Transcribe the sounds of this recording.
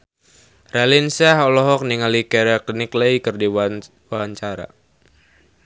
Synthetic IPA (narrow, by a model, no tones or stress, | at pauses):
ralinsɛɦɔlɔɦɔk̚niŋalikɛɾakliniklejkɨrdi | waɦaɲt͡ʃaɾa̰